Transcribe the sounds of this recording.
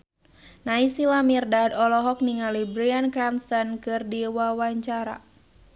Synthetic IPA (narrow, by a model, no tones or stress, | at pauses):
naisilamirdad̪ɔlɔɦɔk̚niŋalibɾiankɾamst̪ankɨrdiwawaɲt͡ʃaɾa̰